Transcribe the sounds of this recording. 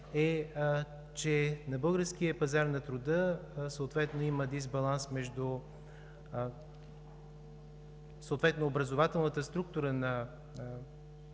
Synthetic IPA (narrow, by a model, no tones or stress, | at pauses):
ɛ | t͡ʃɛnɐbɤlˠɡəɾsk̟ijəpɐzaɾnɐt̪ɾʊd̪əsəot̪vɛt̪noiməd̪izbɐlˠansmɛʒd̪ʊ | səʊt̪vɛt̪noːbɾɐzovat̪ɛlˠnət̪əst̪ɾuk̚t̪uɾənɐ